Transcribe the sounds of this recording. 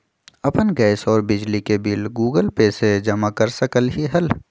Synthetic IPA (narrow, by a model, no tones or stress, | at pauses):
ɐpənɡɛːsɔːɾbɪd͡ʒlikebiːlɡuːɡəlpeːsed͡ʒɐmakɐɾsɐkəlɦiɦɐl